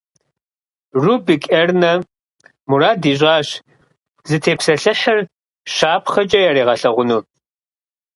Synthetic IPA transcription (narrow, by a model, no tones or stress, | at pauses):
rubɨkʼɐrnɐ | muɾaːdiːɕ̬ʷʼɑːɕ | zɨtʰeːpsɐɬɨħɐr | ʃaːpχɐt͡ʃʼɐjaɾeːʁɐɬɐʁʷʊnuː